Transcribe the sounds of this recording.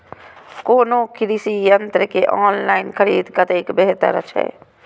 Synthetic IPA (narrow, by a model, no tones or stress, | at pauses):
koːnoːkɪɾisiːjənt̪ɾəkeʔɔːnlaːinkʰəɾiːd̪kət̪eːɪkbeɦt̪ə̰ɾə̰t͡ʃʰɛ̰ː